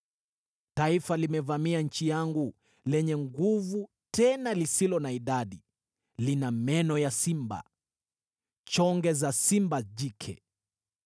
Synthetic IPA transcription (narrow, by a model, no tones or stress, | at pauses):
taifalimɛvamiaɲ̩t͡ʃijaŋɡu | lɛɲɛŋɡuvu | tɛnalisilɔnaiɗaɗi | linamɛnɔjasimba̰ | t͡ʃɔŋɡɛzasimbaʄikʰɛ̰